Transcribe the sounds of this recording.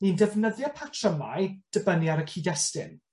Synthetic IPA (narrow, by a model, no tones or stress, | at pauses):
nindɛvnəðjɔpʰatʰrəma̰jd̥əbənjaɾəkʰiːdɛstɪ̰n